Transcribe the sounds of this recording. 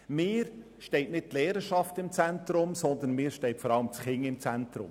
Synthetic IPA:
mɪːɾ | ʃtɛɪtnɪt̚tleːɾəʃɑftɪmt͡sæntɾʊmsɔnd̪ənmɪːɾʃtɛɪtfɔɾɑləmt͡sχɪŋɪmt͡sæntɾʊ̰m

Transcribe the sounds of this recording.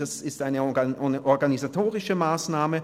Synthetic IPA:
asɪstʔaɪnəʔɔɐɡanizatʰoːʁɪʃəmaːsnaːmə

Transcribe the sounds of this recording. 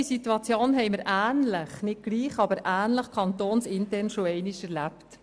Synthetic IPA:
isituɑt͡sjoːnɦɛɪməɾʔæːnləχnɪt̚ɡ̥liːχɑbəɾʔæːnləχkʰɑntoːnsɪntɛɾnʃoɛɪnɪʃɛɾlæpt

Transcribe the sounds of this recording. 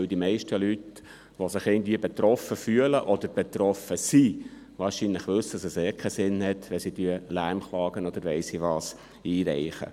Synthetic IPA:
øld̪imɛɪʃtəlyt | ʋosɪχɪɡən̩d̥̪viːbɛt̪ɾɔfəfyələʔɔd̪əɾb̥ɛt̪ɾɔfəsi | vɑːɾʃinlɪχʋɵsəsɛsɛːkʰɛsɪnhɛt̪ʋɛsidyəlæɾmχlɑːɡ̥ənɔd̪əɾʋɛɪsiʋɑːs | iːɾɛɪχə̰

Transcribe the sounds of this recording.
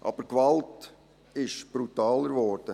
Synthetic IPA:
ʔɑ̰b̥əɾkvɑlt | ɪʃb̥ɾutɑːləɾʋɔɾd̥ə

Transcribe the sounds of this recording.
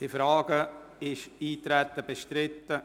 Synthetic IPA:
d̥ifɾaːɡ̥əɪʃiːt̪ɾɛt̪ːəbeʃtɾɪtːə

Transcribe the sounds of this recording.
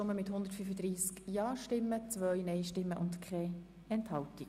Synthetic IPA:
ʊməmɪthʊnd̪əɾtfyfəd̪ɾiːskjɑːʃtɪmːət͡svœjnɛɪʃtɪmːəʔʊndkʰχɛ | ɛnthɑlti

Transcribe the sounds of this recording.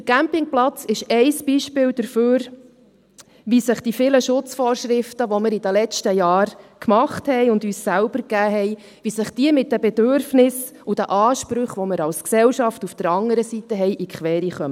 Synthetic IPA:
dəkæmpɪŋplɑt͡sɪʃɛɪsb̥iʃpɪːld̥əɾføːɾ | ʋisəχd̥ifɪləʃʊt͡sfɔːɾʃɾɪftəʋɔmɪɾid̥əlɛt͡ʃtəjɑːɾkmɑχthɛɪjʊndyːssælb̥əɾkæːɦɛɪ | ʋisəχd̥iəmɪt̚dəbɛdøɾfnɪs | ud̥æʔɑːʃpɾʏχʋɔməɾɑlsksɛwʃɑftufd̥əɾɑŋəɾəsitəɦɛjʔikχʋɛːɾiχœmə

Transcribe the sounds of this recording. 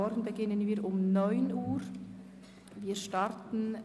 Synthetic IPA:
ɔɾɡn̩bəɡɪnənviːʊmnɔʏnuːɾ | viːʃtɑɾtn̩

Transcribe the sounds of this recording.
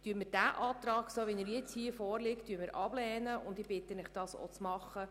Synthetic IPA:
tyəɾmɪd̥æʔɑːt̪rɑːɡsoːʋinəɾjɛt͡shiːəfɔːrlɪkttːyːəmɪɾʔɑb̥lɛːnəʊnd̪ɪb̥ɪt̪ːənɪχd̥ɑːso̰t͡smɑχə

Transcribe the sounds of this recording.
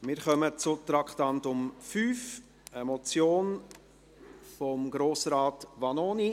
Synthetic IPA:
mɪɾχœmət͡sʊt̪ɾɑkχtɑntʊmfyːf | əmɔt͡sjoːn | fɔmɡɾoːsɾɑːtʋɑnoːni

